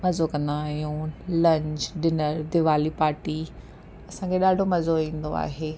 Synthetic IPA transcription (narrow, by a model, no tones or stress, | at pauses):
mɐzokɐ̃nd̪aːɦijũːlɐ̃ɲd͡ʑɗɪnəɾd̪ɪʋaːlipaːɾʈi | ɐsãkʰeɗaːɖʱomɐzoʋĩːn̆d̪oa̰ːɦeː